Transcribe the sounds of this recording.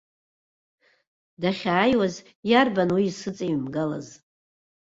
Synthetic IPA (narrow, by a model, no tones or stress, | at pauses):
daχʲaːjwaz | jarbanwiːsɨt͡sʼimɡala̰z